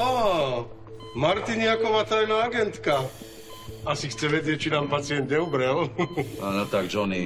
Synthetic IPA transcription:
aː | maɾt̪iɲɪakɔʋaːt̪ajnaːaɡɛnt̪ka | asixt͡sɛʋɛd͡ʑɪɛc̚t͡ʃinaːmpat͡sɪɛnd̪̚ɲɛubɾɛlaɔt̪aɡd͡ʒɔni

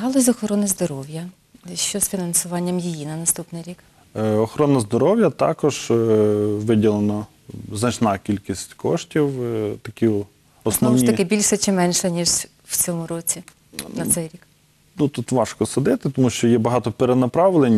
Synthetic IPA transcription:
ɦɑlˠɔzʲɔxɔɾɔnɪzd̪ɔɾɔwjɐ | ʃt͡ʃɔzfʲinɐnsʊʋɑnʲːɐmjijinɐnɐst̪upnɪjɾʲik | ɔxɔɾɔnɐzd̪ɔɾɔwjɐt̪ɑ̰kɔʒ | ʋɪdʲilˠenɐ | znɐt͡ʃnɑkʲilʲkʲisʲtʲkɔʃtʲiwt̪ɐkʲi | ɔsnɔwnʲit̪ɐkɪbʲilʲʃɛt͡ʃɪmɛnʃɛnʲiʒ | wt͡sʲɔmʊɾɔt͡sʲi | nɐsɛjɾʲik | nut̪ut̪ʋɑʃkɔsɐd̪ɪt̪ɪt̪ɔmuʃt͡ʃɔjɛbɐɦɑt̪ɔpeɾenɐpɾɑʋlˠenʲ

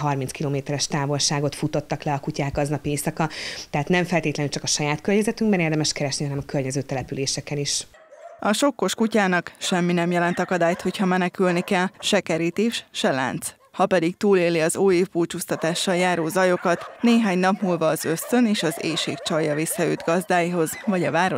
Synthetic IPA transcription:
ɦɒrminskiloːmeːt̪ɛɾɛʃt̪aːvo̞lʃaːɡo̞t̪fut̪o̞t̪ːɒklɛɒkucaːɡɒznɒpieːsɒkɒt̪ɛɦaːt̪nɛɱfɛlt̪eːt̪lɛnylt͡ʃɒkɒʃɒjaːt̪kørɲɛzɛt̪yŋɡbɛneːrd̪ɛmɛʃkɛɾɛʃniɦɒnɛmɒkørɲɛzøːt̪ɛlɛpyleːʃɛkɛniʃ | ɒʃo̞kːo̞ʃkucaːnɒkʃɛmːinɛmjɛlɛnt̪ɒkɒd̪aːjt̪ho̞chɒmɛnɛkylnikɛlʃɛkɛɾiːt̪eːʃʃɛla̰ːnt̪s | hɒpɛd̪ikt̪uːleːliɒzoːeːvbuːt͡ʃuːst̪ɒt̪aːʃːɒljaːɾoːzɒjo̞kɒt̪neːɦaːɲnɒpmuːlvɒːzø̞st̪ø̞neːʃɒzeːʃeːkt͡ʃɒjːɒvisːɒø̰ːd̪ɡɒzd̪aːjiɦo̞zvɒɟɒvaːɾo

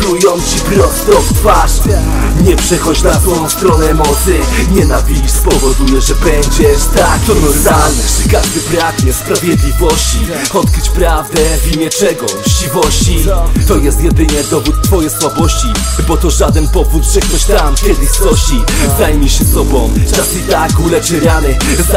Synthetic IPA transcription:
tujɔmt͡ɕipɾɔst̪ɔvt̪vaʂ | ɲɛpʂɛxɔt͡ɕnat̪fɔjɔ̃w̃st̪ɾɔnɛɛɛmɔt̪sjɛɲɛnavʲid͡ʑspɔvɔd̪ujɛʐɛbɛɲd͡ʑɛʂt̪akt̪ɔnɔd̪alnɛkaʐd̪ɘbɾaɡɲɛspɾavʲjɛd̪lʲivɔɕt͡ɕiɔt̪̚kɾɘt͡ɕpɾavd̪ɛiɲɛt͡ʂɛɡɔt͡ɕivɔɕt͡ɕit̪ɔjɛst̪jɛd̪ɘɲɛd̪ɔvut̪ːfɔjɛjswabɔɕt͡ɕibɔt̪ɔʐad̪ɛnpɔvut̪ʐɛkt̪ɔɕt̪amkʲɛd̪ɘst̪ɔɕizd̪ajmʲiɕɛsɔbɔ̃w̃t͡ʂasit̪akulɛʂɛɾʲanɘ | z

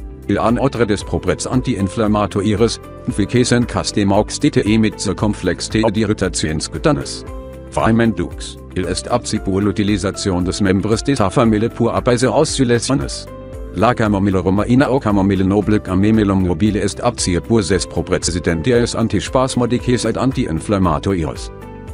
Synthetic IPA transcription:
ʔɪlʔanʔaʊtʁədɛspʁ̥obʁɛtsʔa̰ntiʔɪnflamaːtʰoʔiʁəs | ɪnfikʰeːsənkʰastemaʊkstitʰəʔimɪtt͡səkʰɔmflɛkstʰediʁitʰat͡sjoɪnskutanə̰s | v̥a̰ɪmɛnd̥ṵks | ʔɪlɛstʰa̰p̚t͡sib̥uːlutilizat͡sjoːndɛsmɛmbʁəsd̥ɛsafamɪləpʰuːɐʔa̰paɪzəaʊst͡sylɛsɔnə̰s | lakamomɪləʁomaʔinaʔokʰamɔmɪlənobləkamemelommobiːləɛstap̚t͡siəpʰuɐzɛspʁ̥opʁɛt͡sɛzidɛnt̚deɐɛsʔa̰ntiʃpaːsmɔdikʰesatʔantiʔɪ̰nflamaːtʰoʔḭʁə̰s

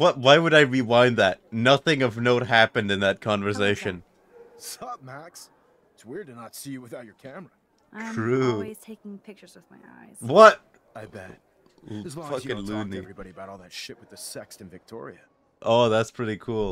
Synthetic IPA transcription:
wʌt̚waɪwəɾaɪɹiwãɪ̃nðæt̚nʌθɪ̃ŋʌvnoʊt̚ɦæpɨ̃ndɨ̃nðɨt̚kʰɑ̃ɱvə˞s̬eɪʃɨ̃n | sʌmæks | ɪtswɪɹd̚ɨnətsijɨwɨθaʊt͡ʃə˞kʰæmə | tʰɹ̥uiz̥tʰeɪkɪ̃ŋpʰɪk̚t͡ʃə˞zʌvmaɪa̰ɪz̥wʌt̚aɪbɛt | fʌkɨ̃nlʉnivɹibɑɾiɨbaʊɾɔlˠðɨtʃɪʔ̚wɨðɨsɛkstɨ̃n̩vɨk̚tʰɔ̰ɹḭɨ | ʔoʊðætspʰɹ̥ɪɾikʰulˠ

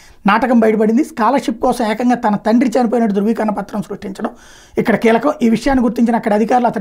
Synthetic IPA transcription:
naːʈɐkɐmbɐjʈɐp̬ɐɽind̪iskaːlɐɾʂip̚kɔːsɐmɛːkɐŋɡaːt̪ɐnɐt̪ɐɳɖɾit͡ʃɐnip̬oːjnɐʈːud̪ɾuʋiːkɐɾɐɳɐpɐt̪ːɾɐmsɾuʂʈiɲt͡ʃɐɽɐm | ikːɐɽɐkiːlɐkɐmiːʋiʂɐjaːnːiɡuɾt̪iɲt͡ʃinɐɐkːɐɽiɐd̪ʱikaːɾuluɐt̪ɐ

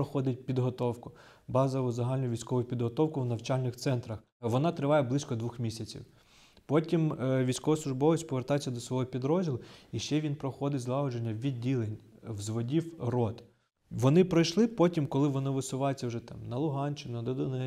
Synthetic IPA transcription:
ɔxɔd̪ɪt̚ʲpʲid̪ɦɔt̪ɔwkʊ | bɑzɔʋʊzɐɦɑlʲnʊʋʲijsʲkɔʋʊjʊpʲid̪ɦɔt̪ɔwkʊwnɐwt͡ʃɑlʲnɪxt̪sɛnt̪ɾɐx | ʋɔnɑt̪ɾɪʋɑjɛblˠɪsʲkɔd̪ʋuxmʲisʲɐt͡sʲḭw | pɔtʲimʋʲijsʲkɔʋɐslˠʊʒbɔʋɪt͡ʃʲpɔʋert̪ɑjet͡sʲːɐd̪ɔsʋɔɦɔpʲid̪ɾɔzʲdʲilˠʊiʃt͡ʃɛʋʲinpɾɔxɔd̪ɪtʲzlˠɑɦɔd͡ʒenʲːɐʋʲidʲːilˠenʲ | wzʋɔdʲiwrɔt̪ | ʋɔnɪpɾɔjʃlˠɪpɔtʲimkɔlˠɪʋɔnɪʋɪsʊʋɑjet͡sʲːɐwʒɛt̪ɑmnɐlˠʊɦɑnʲt͡ʃɪnʲnɐd̪ɔd̪ʊnɛ

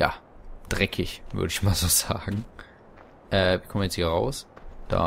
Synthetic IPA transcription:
ja̰ːd̥ʁɛkʰɪçv̥ʏ̰ɐɾəɪçmaːlzoːz̥aːɡŋ̩ | ʔɛːvikʰɔmnjɛt͡sthiːɐʁaʊsd̥a̰ː

